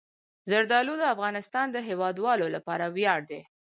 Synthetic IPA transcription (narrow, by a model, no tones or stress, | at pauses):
zaɾd̪ɑlud̪əafɣɑnɪst̪ɑnd̪əɦewɑd̪wɑlolapɑɾawjɑɽ̚d̪e